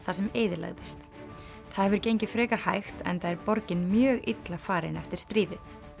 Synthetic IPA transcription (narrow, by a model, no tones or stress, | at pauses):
θasɛmeːjðɪla̰ɣðɪst̪ | θaðhɛvʏɾcejɲcɪfɾɛːkaɾ̥hajxt̪ɛ̰nθaðɛɾpɔɾcɪnmjœːɣit̪lafaːɾɪnɛft̪ɪɾ̥st̪ɾiːðɪ